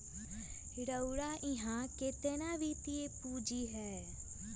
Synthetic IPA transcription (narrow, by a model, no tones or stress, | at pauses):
ɽəuɽaːʔɪ̃ɦãːkɪt̪enãːʋiːt̪ɪeːpuːd͡ʒiːɦɛː